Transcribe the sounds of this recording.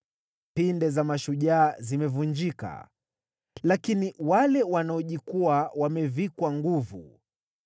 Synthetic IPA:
pindɛzamaʃuʄaːzimɛvuɲd͡ʒika̰ | lakiniwalɛwanaɔʄikuawamɛvikwaŋɡuvu

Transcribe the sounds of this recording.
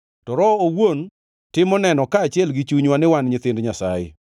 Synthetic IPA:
tɔɾɔowon | tɪmɔnɛnɔkaːt͡ʃɪɛlɡɪt͡ʃuɲwanɪwanɲɪt̪ɪndɲasa̰jɪ̰

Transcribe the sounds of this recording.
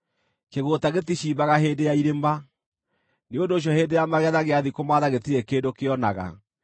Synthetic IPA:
keɣotaɣetiɕiːbaɣaɦeːndejaiɾemba | neondoːɕ̬ɔheːndejamaɣɛðaɣeaðikomaːðaɣetiɾɛkeːndokeɔnaɣa̰

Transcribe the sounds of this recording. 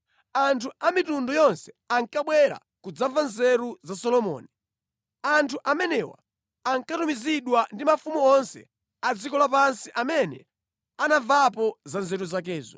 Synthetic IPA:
antʰuʔamitundɔjɔnsɛ̥ | aŋkaɓwɛɾa̰ | kud͡zavanzɛɾuzasɔlɔmɔ̰ːni | antʰuʔamɛnɛwa̰ː | ŋkatumiziɗwandimafumuɔnsɛ̰ | ad͡zikɔlap̬ansiʔamɛnɛ̰ | anavapɔzanzɛɾuzak̬ɛːzɔ̰

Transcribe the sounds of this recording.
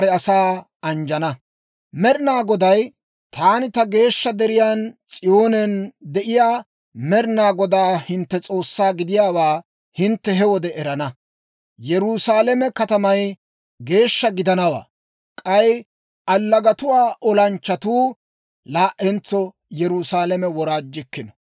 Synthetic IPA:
ɾɛɐsaː | ɐnd͡ʒɐnɐ | mɛɾɪnaːɡɔd̪ɐj | t̪ʰaːnɪt̪ɐɡe̞ːʃːɐd̪ɛɾɪjaːnt͡sʼɪjo̞ːnɛnd̪ɛʔɪjaː | mɛɾɪnaːɡɔd̪aːhɪnt̪ːɛt͡sʼo̞ːsːaːɡɪd̪ɪjaːwaː | hɪnt̪ːɛɦɛwɔd̪ɛʔɛɾɐnɐ | jɛɾusaːlɛmɛkɐt̪ɐmɐj | ɡe̞ːʃːɐɡɪd̪ɐnɐwa̰ː | kʼɐj | ʔɐlːɐɡɐt̪ʊwaːʔɔlɐnt͡ʃːɐt̪uː | laːʔɛnt͡sːɔ | jɛɾusaːlɛmɛwɔɾaːd͡ʒːɪkːɪnɔ̥

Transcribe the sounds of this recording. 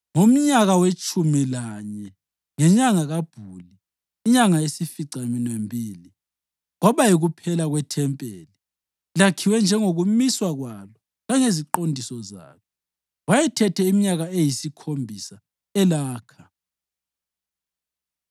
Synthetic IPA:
ŋom̩ɲaɣawet͡ʃʼumilaɲɛ | ŋɛɲaŋaɣab̥ʱuliː | ɲaŋaesifiǀaminwembʱiːli | ŋɔβajiɣupʰɛlaɣwɛtʰɛmpʼeːli | lakʰiwɛnd͡ʒʱɛŋoɣumiswaɣwalɔ | ɣaŋeziǃondʱisɔza̰ːlɔ | wajɛtʰɛtʰɛimiɲaɣaejisikʰombʱisa | ɛlaːkʰa

